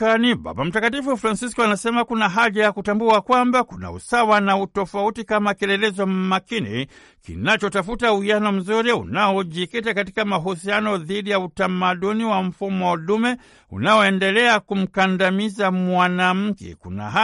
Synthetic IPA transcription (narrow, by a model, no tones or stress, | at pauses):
aniɓa̰ɓam̩takatifufɾansiskɔanasɛmakunaɦaʄajakutambuakwambakuna̰ṵsawanautɔfautikamakɛlɛlɛzɔmmakinḭ | kḭnat͡ʃɔtafutauianɔm̩zuɾiṵnaɔʄikitakatikamaɦusianɔðiɗijautamaɗuniwam̩fumɔɗumɛ | ṵnaɔɛndɛlɛakum̩kandamizamwanam̩kɛ̰kṵna̰ɦa